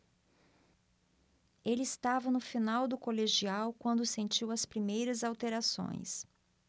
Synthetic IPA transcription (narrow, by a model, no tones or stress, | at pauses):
elɪɪst̪avɐnʊfinawd̪ʊkoleʒiawkwɐ̃nd̪ʊsẽnt͡ʃiwɐspɾimejɾɐzawt̪eɾasõ̰j̃s